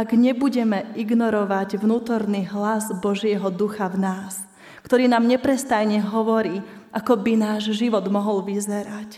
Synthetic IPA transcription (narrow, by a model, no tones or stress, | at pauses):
aɡɲɛbuɟɛmɛʔiɡnɔɾɔʋaɟʋnuːt̪ɔɾniɦlazbɔʒɪɛɦɔd̪uxavnaːs | kt̪ɔɾiːnaːmɲɛpɾɛst̪ajɲɛɦɔʋɔɾiː | ʔakɔbinaːʒʒiʋɔd̪mɔɦɔlʋizɛɾac